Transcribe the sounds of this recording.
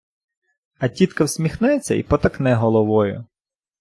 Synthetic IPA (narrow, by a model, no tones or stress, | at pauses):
ɐtʲit̪kɐwsʲmʲixnɛt͡sʲːɐ̰ḭpɔt̪ɐknɛɦɔlˠɔʋɔjʊ̰